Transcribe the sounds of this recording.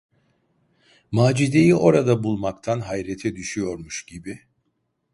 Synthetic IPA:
maːd͡ʒid̪e̞jiʔo̞ɾad̪abulˠmakt̪ʰanɦajɾet̪ʰɛd̪yʃyjo̞ɾmuʃɟibi

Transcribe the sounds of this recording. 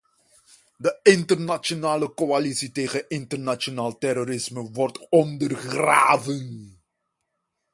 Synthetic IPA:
dəɪntərnat͡ʃonaːləkoalisiteːχənɪntərnat͡ʃonaːlˠtɛɾoɾɪsməʋɔrtɔndərχra̰ːvən

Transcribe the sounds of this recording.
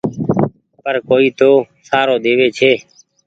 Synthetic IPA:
pəɾkoːiːt̪oː | saːɾoːɗ̪eːʋeːt͡ʃʰeː

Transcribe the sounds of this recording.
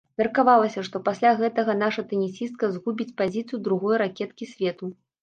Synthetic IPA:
mʲɛɐrkavalˠɐsʲɐʂt̪ɔpasʲlʲaɣɛt̪ɐɣɐnaʂɐt̪ɨnʲisʲist̪̚kɐzɣubʲit͡sʲpazʲit̪sɨjud̪ɾuɣɔjɾakʲɛt̪kʲisʲvʲɛt̪u

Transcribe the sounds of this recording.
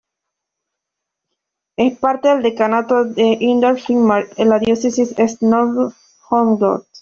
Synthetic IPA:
espaɾt̪eðeld̪ekanat̪oðeʔind̪eɾfiŋmaɾelaðjosesisesno | hoŋdo̰t̪

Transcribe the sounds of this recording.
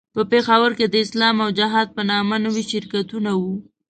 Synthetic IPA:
pəpexawəɾked̪əɪslɑmawd͡ʒaɦɑd̪̚pənɑmanəwiʃɪɾkat̪unawu

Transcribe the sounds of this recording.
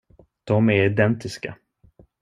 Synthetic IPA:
d̪̥ɔmæɾɪd̪ɛnt̪ɪska̰

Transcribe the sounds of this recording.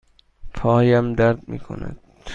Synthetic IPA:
p̪ʰɒːjæmd̪æɾd̪mḭːkʰo̰næ̰d̪̥

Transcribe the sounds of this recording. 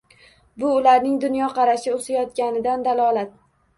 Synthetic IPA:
bʊːlaɾnɪŋd̪ʊnjɒqʰɑɾaʃɪosajɒt̪kʲanɪd̪and̪alˠɒlat̪̚

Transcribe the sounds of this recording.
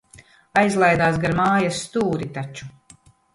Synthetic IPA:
ajzlˠajd̪aːsɡaɾmaːjasːt̪uːɾit̪at͡ʃu̥

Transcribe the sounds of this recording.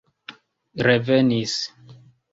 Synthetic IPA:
ɾevenis

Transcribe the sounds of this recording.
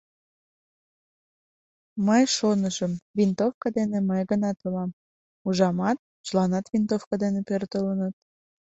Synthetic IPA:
məjʃonəʒəmvint̪ofkɑd̪eneməjɣənɑt̪ulɑm | uʒɑmɑt̪̚ | ʒlɑnɑt̪vint̪ofkɑd̪enepørt̪ələnət̪̚

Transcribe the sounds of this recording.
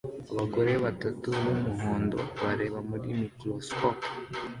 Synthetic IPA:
aβaɡo̞ɾe̞βatatuβomuɦo̞ːndo̞̰βaɾe̞ːβamuɾimikɾoskop

